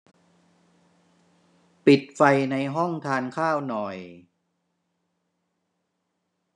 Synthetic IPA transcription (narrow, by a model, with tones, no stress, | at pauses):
pi˨˩t̪̚fa˧jna˧jɦɔ˥˩ŋt̪ʰaː˧nkʰaː˥˩wnɔ˨˩j